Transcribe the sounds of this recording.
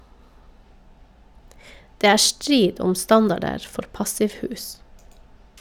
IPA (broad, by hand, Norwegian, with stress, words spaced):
ˈdeː ˈæː ˈstɾiːd ˈɔm ˈstɑndɑɖəɾ ˈfɔɾ ˈpɑsɪʋˌhʉːs